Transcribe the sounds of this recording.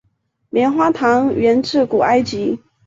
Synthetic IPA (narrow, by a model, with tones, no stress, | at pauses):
ljɛ˧˥nxwa˥t̪ʰɑ˧˥ŋɥɛ˧˥nʈ͡ʂʰɻ̩˥˩ku˨˩a˥ɪt͡ɕi˧˥